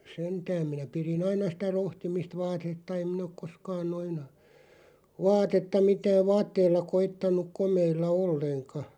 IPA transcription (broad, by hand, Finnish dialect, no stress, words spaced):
sentæːm̆ minæ pirin ɑinɑ sĭtæ rohtimist ʋɑːtetːɑ em min ok koskɑːn noin ʋɑːtetːɑ mitæːʋ̆ ʋɑːtːeilːɑ koitːɑnˑuk̆ komeilːɑ olːeŋkɑ